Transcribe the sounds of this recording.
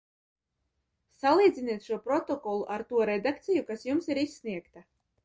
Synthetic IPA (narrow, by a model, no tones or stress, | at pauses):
salˠiːd̪zʲiniɛt̪ʃuɔpɾɔt̪ɔkɔlˠuʔaɾt̪uɔɾɛd̪ak̚t̪sijukasjumsiɾisʲːniɛkt̪a